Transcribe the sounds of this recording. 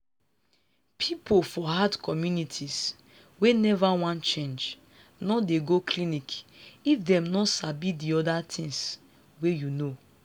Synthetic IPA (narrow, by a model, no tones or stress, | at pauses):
pʰipʰofɔhadkʰɔmjunitʰis | wenɛvawãnt͡ʃẽnd͡ʒ | nɔdeɡokʰlĩnikifdɛ̃mnɔsabidiɔdatʰĩŋs | wejuno